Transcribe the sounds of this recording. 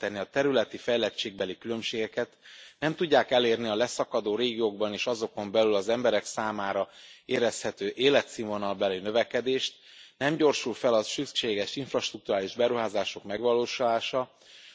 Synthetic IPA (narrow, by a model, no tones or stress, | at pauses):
t̪ɛnːiɒt̪ɛɾylɛt̪ifɛjlɛt͡ʃːeːɡ̚bɛlikylø̞mʃeːɡɛkɛt̪nɛmt̪uɟːaːkɛleːrniɒlɛsɒkɒd̪oːɾeːɡijoːɡ̚bɒneːʃɒzo̞ko̞mbɛlylɒzɛmbɛɾɛksaːmaːɾɒeːɾɛshɛt̪øːʔeːlɛt̪siːɱvo̞nɒlbɛlinø̞vɛkɛd̪eːʃt̪ | nɛmɟo̞rʃulfɛlɒsyʃeːɡɛʃiɱfrɒʃt̪ruk̚t̪uɾaːliʒbɛɾuɦaːzaːʃo̞kmɛɡʋɒloːʃulaːʃɒ